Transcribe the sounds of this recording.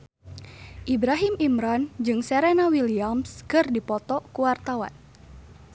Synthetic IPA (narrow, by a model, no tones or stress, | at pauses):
ʔibɾaɦimimɾand͡ʒɨŋsɛɾenawiliamskɨrdipɔt̪ɔkuwart̪awa̰n